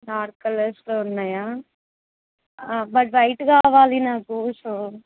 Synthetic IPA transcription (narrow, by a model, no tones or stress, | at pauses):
daːɾkɐlɐɾsloːunːaːjaː | bɐʈʋɐjʈkaːʋaːlinaːkusoː